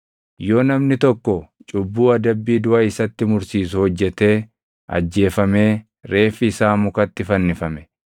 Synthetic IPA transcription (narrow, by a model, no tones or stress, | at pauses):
joːnɐmnɪt̪ɔkːɔt͡ʃʼʊbːuːɐd̪ɐbːiːd̪ʊʔɐɪsɐt̪ːɪmʊɾsiːs̬ʊhɔd͡ʒːɛt̪e̞ː | ʔɐ̰d͡ʒːe̞ːfɐme̞ː | ɾe̞ːfɪːsaːmʊkɐt̪ːɪfɐnːɪfɐmɛ